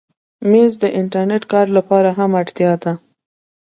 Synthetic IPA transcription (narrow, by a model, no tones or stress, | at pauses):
mezd̪əʔɪɳʈaɾneʈkɑɾlapɑɾaɦamaɽt̪jɑd̪a